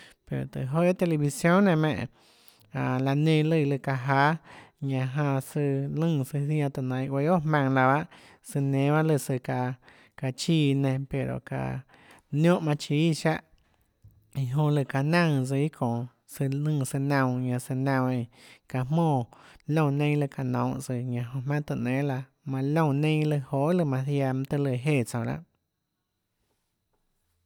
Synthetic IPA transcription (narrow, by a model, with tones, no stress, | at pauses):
pe˨ɾo̰˨t̪ɨ̰˨ɦo˧˦t̪e˧le˧βi˧sjõ˦nnẽ˧˨mẽ˧˨ʔ | a˨la˧nẽ˧lɨ˧˨˧lɨ˧˨ka˧ɦaː˧˦ɲã˧ɦã˧sɨ˧lɨ̃˦˧˨sɨ˧θj̃ã˧t̪ɨ˧˨nã˨˧j̃we˧˦o˦ʔɦmã˧ŋla˧βa˦ʔ | sɨ˧nẽ˧˦βa˦lɨ˧˨sɨ˧ka˧ | ka˧t͡ʃiː˦˧˨nẽ˧pe˨ɾo̰˨ka̰˧˨ | njõ˦ʔmã˧t͡ʃiː˧˦ʃa˦ʔ | i˨ɦõ˧lɨ˧˨ka˨nã˦˧ŋt͡sɨ˧i˦kʰõ˨ | sɨ˧nɨ̃ː˦˧˨sɨ˧nã˧˨˧ɲã˧sɨ˧nã˧˨ẽ˧ka˨mõː˦˧˨lõ˦˧˨nẽ˦lɨ˧˨ka˨nõ˨wʔt͡sɨ˧˨ɲã˧˨ɦõ˧mã˦t̪ɨ˧˨ʔnẽ˨˦la˧ | mã˧lõ˦˧˨nẽ˦lɨ˧ho˨˦ʔlɨ˧˨mã˧θja˧m˧t̪ə˧lɨ˧˨ɦe˦˨t͡sã˨˧la̰˦ʔ